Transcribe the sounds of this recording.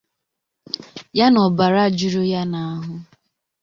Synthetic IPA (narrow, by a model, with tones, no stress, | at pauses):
ja˦nɔ˨ba˨ɾa˦˨d͡ʒu˨ɾo˦ja˦na˨a˦ɦʊ˦